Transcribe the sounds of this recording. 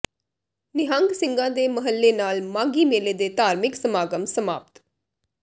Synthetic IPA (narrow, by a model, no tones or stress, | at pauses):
nɪɦãŋɡsɪ̃ŋɡãːd̪eːməɦəlːeːnaːlmãːŋɡiːmeːleːd̪eːt̪aːɾmɪksəmaːɡəmsəma̰ːp̚t̪